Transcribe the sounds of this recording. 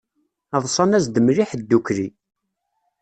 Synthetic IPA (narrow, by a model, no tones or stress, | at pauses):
æðˤsˤɑnæzd̪əmɾiħd̪ːukɾi